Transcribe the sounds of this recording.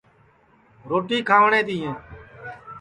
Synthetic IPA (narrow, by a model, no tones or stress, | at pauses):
ɾoːʈiːkʰaːʋɳeːd̪iːẽː